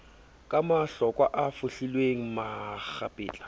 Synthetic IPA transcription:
kʼamaɬɔkʼwaʔafʊɬilweŋ̩mak͡xapʼɪːt͡ɬʼḁ

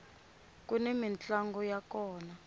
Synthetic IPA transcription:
k̬ʼunemint͡ɬʼaŋɡɔjakɔːna

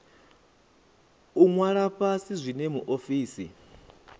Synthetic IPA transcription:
uŋwaɺapʰasizʷinɛmuʔofiːsḭ

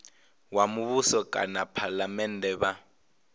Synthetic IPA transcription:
wamuβusɔkʼa̰napʰalamɛndɛβa

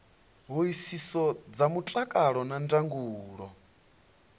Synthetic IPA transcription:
ɦuisisɔd͡zamut͡ɬʼakʼaɺɔnandaŋɡuːɺɔ

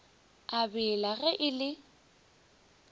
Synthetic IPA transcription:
abɪlaɣɛʔɪlɪ

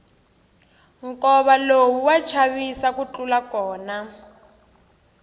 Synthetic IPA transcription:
ŋkɔβalowuwat͡ʃʰaβisakut͡ɬulakɔːna

